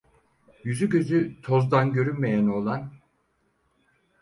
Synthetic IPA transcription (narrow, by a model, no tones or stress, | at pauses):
jyzyɟø̞zyt̪ʰo̞zd̪anɟø̞ɾynmejæno̞lˠan